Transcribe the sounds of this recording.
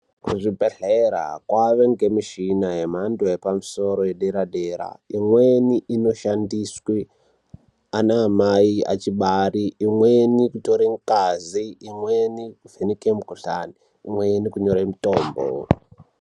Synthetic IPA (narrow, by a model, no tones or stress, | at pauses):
kuʐibʱeɬeɾa̰kwaʋe̞ŋɡe̞miʃinajemandojepamuso̞ɾo̞jeɗeɾaɗeːɾa̰imweniʔino̞ʃandiswi | anaːmaia̰t͡ʃiɓariːmwenikuto̞ɾeŋkaziːmwenikuvʱenikemukuɬaniː | mwenikuɲo̞ɾemitoːmbo̰